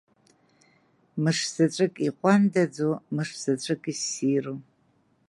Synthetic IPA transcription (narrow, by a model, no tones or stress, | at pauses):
mɨʂz̥ɨʈ͡ʂʷʼɨkʼiqʷʼandɐd͡zomɨʂz̥ɨt͡ʃʷʼɨkʼisiːro